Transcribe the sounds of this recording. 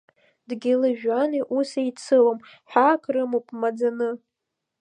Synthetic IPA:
dɡʲɪlɨʒᶣaniʔusait͡sʰɨlom | ħʷᶣakʰrɨmopʰʼmad͡zanɨ

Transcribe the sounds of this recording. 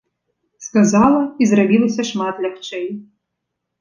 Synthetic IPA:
skɐzɑlˠɐizɾɐbʲilˠɐsʲɐʃmɑt̪lʲɐxt͡ʃɛj

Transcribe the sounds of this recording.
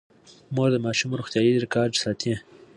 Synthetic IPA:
moɾd̪əmɑːʃumɾuxt̪jɑːjiɾɪkɑːɾd͡ʒsɑːt̪ẽ

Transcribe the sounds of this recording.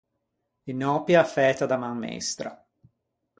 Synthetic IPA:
inɔpjaːfɛːt̪ad̪amaŋːḛst̪ɾa̰

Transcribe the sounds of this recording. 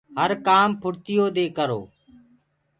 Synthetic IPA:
ɦəɾkaːmpʰʊɽt̪ɪjoːd̪eːkəɾo̰ː

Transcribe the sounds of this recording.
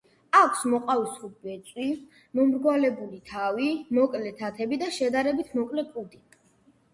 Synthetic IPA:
akʷʰsmɔqʼavisχubɛt̪sʼwi | mɔmɾɡwalɛbulit̪ʰavimɔkʼlɛt̪ʰat̪ʰɛbid̪aʃɛd̪aɾɛbit̪ʰmɔkʼlɛkʼud̪i

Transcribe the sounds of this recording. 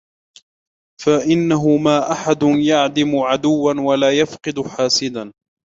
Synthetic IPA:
faʔɪnːaɦʊmaːʔaħad̪ʊnjaʕd̪ɪmʊʕad̪ʊwːanwalaːjafqɨd̪ʊħaːsɪd̪an

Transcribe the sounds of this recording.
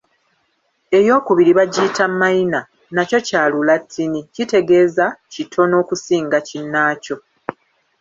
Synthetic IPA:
e̞jo̞ːkuβiɾiβaɟiːtʰamːaina | naco̞caːlulatʰːinicite̞ɡe̞ːzacitʰo̞no̞ːkusiːŋɡacinːaːco̞

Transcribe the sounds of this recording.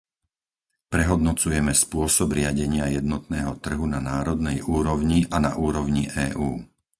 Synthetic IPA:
pɾɛɦɔd̪nɔt͡sujɛmɛspʊɔsɔbɾɪaɟɛɲɪajɛd̪nɔt̪nɛːɦɔt̪r̩ɦunanaːɾɔd̪nɛjʔuːɾɔʊɲiʔanaʔuːɾɔʊɲiʔɛːʔuː

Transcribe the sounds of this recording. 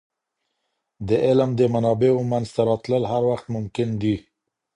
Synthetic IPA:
d̪əʔɪlmd̪əmanɑbeomanzt̪aɾɑt̪ləlɦaɾwaxt̪mʊmkɪnd̪i

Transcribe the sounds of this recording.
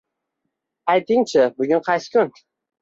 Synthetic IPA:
ajt̪ʰɪŋt͡ʃʰɪbʊɡʲʊnqʰɑjsɪ̥kʲʰʊn

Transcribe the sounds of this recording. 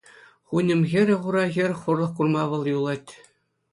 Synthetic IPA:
χunʲɘ̆mɣʲɘ̆ɾʲɘ̆ʁuɾɑɣʲɘ̆rʲχurlˠɤ̆χkurmɑʋɤ̆lˠjulˠɑtʲ

